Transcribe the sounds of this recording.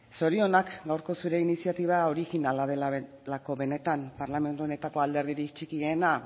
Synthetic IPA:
so̞ɾio̞nakɡawɾko̞suɾe̞inisiat̪iβ̞ao̞ɾiɣinalaðela | lako̞βe̞ne̞t̪ampaɾlame̞nt̪uo̞ne̞t̪ako̞ald̪e̞ɾðiɾikt͡ʃikiɣena

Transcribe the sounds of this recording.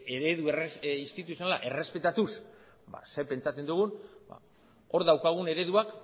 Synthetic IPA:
eɾe̞ðureist̪it̪us̬ionala̰ʔe̞re̞spe̞t̪at̪us | ba̰se̞pe̞nt͡sat͡se̞nd̪uɣ̞unba̰ | o̞ɾðawkaɣ̞une̞ɾe̞ðuak

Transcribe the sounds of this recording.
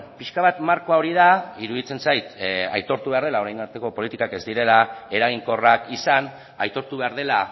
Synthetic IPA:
piʃkaβat̪maɾko̞ao̞ɾið̞aiɾuðit͡se̞nsajt̪a̰jt̪o̞ɾt̪uβeaɾð̞e̞lao̞ɾajnaɾt̪e̞ko̞po̞lit̪ikake̞zd̪iɾe̞lae̞ɾaɣ̞iŋko̞rakisan | ajt̪o̞ɾt̪uβe̞aɾð̞e̞la

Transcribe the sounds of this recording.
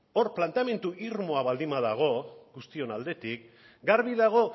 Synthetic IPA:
oɾplant̪eame̞nt̪uʔiɾmo̞aβald̪imaðaɣ̞o̞ɡust̪io̞nald̪e̞t̪ik | ɡaɾβiðaɣ̞o̞

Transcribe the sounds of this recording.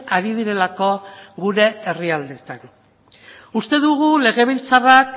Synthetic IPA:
aɾið̞iɾe̞lako̞ɣuɾe̞eriald̪e̞t̪an | ust̪e̞ðuɣule̞ɣe̞β̞ilt͡sarak

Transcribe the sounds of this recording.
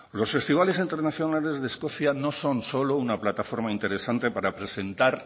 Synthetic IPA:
lo̞sfe̞st̪iβ̞ale̞sint̪e̞ɾnaθjo̞nale̞zðesko̞θjano̞so̞nso̞lo̞unaplat̪afo̞ɾmaint̪e̞ɾe̞sant̪e̞paɾapɾe̞se̞nt̪aɾ

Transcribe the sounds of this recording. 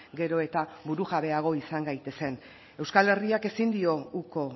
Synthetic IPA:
ɡe̞ɾo̞e̞t̪aβuɾuɣaβe̞aɣo̞isaŋɡajt̪e̞se̞n | e̞wskale̞riake̞sind̪io̞uko̞

